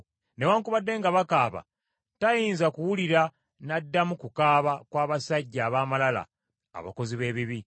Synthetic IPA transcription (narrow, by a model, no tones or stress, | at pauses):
newaːŋkuβadːe̞ːŋɡaβakaːβa̰ | tajiːnzakuwuliɾa | nadːamukukaːβakwaːβasaɟːaːβaːmalala̰ː | βa̰ko̞ziβe̞ːβiβi